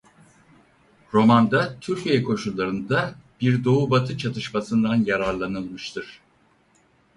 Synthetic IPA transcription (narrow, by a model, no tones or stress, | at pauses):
ɾo̞mand̪at̪ʰyɾcʰijɛkʰo̞ʃulˠːaɾɯnd̪ab̥iɾd̪o̞ubat̪ʰɯt͡ʃʰat̪ʰɯʃmasɯnd̪anjaɾaɾlˠanɯlˠmɯʃt̪ʰɯɾ̥